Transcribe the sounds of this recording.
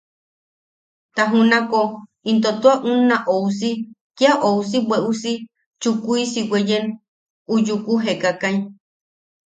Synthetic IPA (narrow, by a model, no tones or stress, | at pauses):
t̪aɦũnãko | int̪ot̪uaʔunãʔous̬ikiaʔousibeʔusi | t͡ʃukuisiwʷejen | ujukuɦekakaĩ